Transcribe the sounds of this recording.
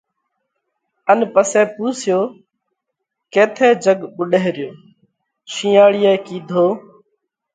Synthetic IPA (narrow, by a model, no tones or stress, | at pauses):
ənpəseːpuːsɪjoː | keːt̪ʰeːd͡ʒəɠɓʊɗeːɾjoː | t͡ʃʰĩːaːɽɪjeːkiːd̪ʱoː